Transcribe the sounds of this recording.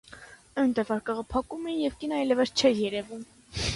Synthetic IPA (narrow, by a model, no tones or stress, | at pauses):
ənt̪ɛvɑɾkɑʁɑpʰɑkumɛjɛvkinɑjlɛvəst͡ʃʰɛɾjɛɾɛvum